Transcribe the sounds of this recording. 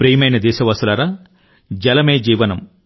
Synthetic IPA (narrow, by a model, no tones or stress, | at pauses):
pɾɐjmɐjnɐd̪iːʃɐʋɐsulɐːɾaː | d͡ʒɐlɐmeːd͡ʒiːʋɐnɐm